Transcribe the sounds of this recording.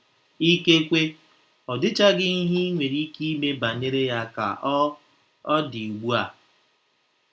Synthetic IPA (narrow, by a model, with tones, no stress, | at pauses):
i˦ke˦kʷe˦ | ɔ˨dɪ˦t͡ʃa˦ɡɪ˦ni˦ɦi˦i˦ŋʷe˨ɾi˦ki˦i˦me˦ba˨ne˦ɾe˦ja˦ka̰˨ʔ | ɔ˦di˨u˨ɡ͡bu˦a˨